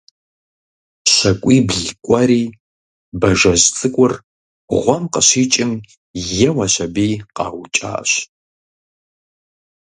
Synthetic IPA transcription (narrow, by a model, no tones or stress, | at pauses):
ʃʷɐkʷʼiːbɮkʷʼɐɾiː | bɐʐɐʑt͡sʼɨkʷʼʊr | ʁʷɔmqəɕiːt͡ʃʼɪm | jɛwɐʃɐbiːqɑ̰ːwt͡ʃʼa̰ːɕ